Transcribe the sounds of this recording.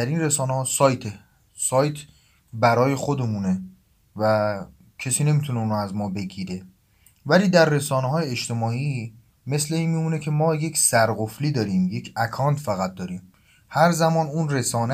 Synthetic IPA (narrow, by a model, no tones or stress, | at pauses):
æɾiːnresɒːneɦɒːsɒːjt̪ʰe | sɒːjt̪ʰ | bæɾɒːje̞xod̪e̞mune̞ | væ | cʰesiːne̞miːt̪ʰuneuːnoæzmɒːbe̞ɡiːɾe̞ | væliːd̪æɾːe̞sɒːneɦɒːjeːʃt̪e̞mɒːiː | me̞sle̞iːnmiuːnecʰe̞mɒːje̞cʰsæɾɢofliːd̪ɒːɾiːmje̞cʰækʰɒːnt̪ʰfæɣæt̪̚d̪ɒːɾiːm | hæɾzæmɒːnuːnre̞sɒːne